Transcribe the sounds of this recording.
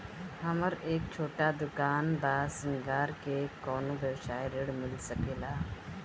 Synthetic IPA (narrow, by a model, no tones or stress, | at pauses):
həməɾeːk̚t͡ʃʰoːʈad̪ʊkaːnbaːsəŋɡaːɾkekɔːnubjəʋsaːeɾɪɽmɪlsəkeːlaː